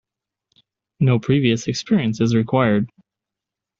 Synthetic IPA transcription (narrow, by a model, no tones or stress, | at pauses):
noʊpʰɹ̥iviɨsɨkspɪɹiɨ̃nsɨzɹikʰw̥aɪə˞d̚